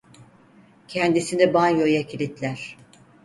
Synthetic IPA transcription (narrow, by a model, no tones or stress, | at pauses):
cʰɛnd̪isinɛbanjojacʰilʲit̪lʲæɾ̥